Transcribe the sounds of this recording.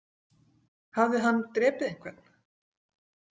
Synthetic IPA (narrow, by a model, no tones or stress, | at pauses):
havðɪɦanːt̪ɾɛːpɪðɪŋ̥kʰvɛt̪n̥